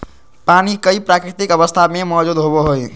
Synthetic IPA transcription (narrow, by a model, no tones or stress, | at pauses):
panikəipɾakɾit̪ikəβəst̪ʰamemɔd͡ʒud̪ɦoboɦoj